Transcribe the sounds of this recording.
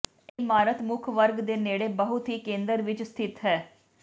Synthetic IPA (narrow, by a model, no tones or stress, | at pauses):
maːɾət̪mʊkʰʋəɾɡd̪eːneːɽeːbəɦʊt̪ɦiːkẽːnd̪əɾʋɪt͡ʃst̪ʰɪt̪ɦɛː